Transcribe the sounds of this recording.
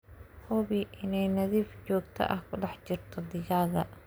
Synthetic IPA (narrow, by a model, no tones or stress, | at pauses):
hɔβiʔɪnɛjnɐðiːft͡ʃɔːɡt̪ʰɐ̰ʔɐhkʰʊɖɑħt͡ʃɪrt̪ʰɔd̪ɪɣaːɣɐ